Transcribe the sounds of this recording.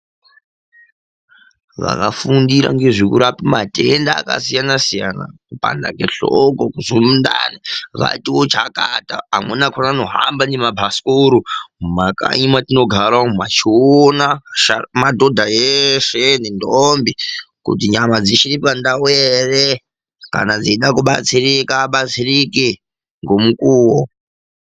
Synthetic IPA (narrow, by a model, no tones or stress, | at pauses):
ʋa̰kafundiɾa̰ŋɡe̞ʐikuɾapimatendaːka̰sijanasijana̰kupa̰nda̰keɬokokuzumunda̰niʋa̰itiwot͡ʃakataamwenakʰonanoɦambanemabʱaskoɾumaka̰imatino̞ɡʱaɾamat͡ʃionaʃamadʱodʱajeʃenindombikṵtiɲamad͡ziʃiɾipandawere | ka̰nad͡ziiɗakuɓa̰t͡sirikaːɓat͡siriki | ŋɡomukuːwo